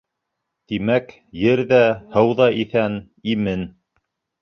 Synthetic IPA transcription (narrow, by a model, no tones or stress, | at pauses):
t̪imæk | jɘɾðæhɤwðɑʔiθæn | imɘn